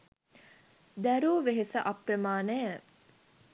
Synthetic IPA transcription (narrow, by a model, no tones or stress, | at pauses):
d̪æɾuːʋeɦesəʔaprəmaːnəjə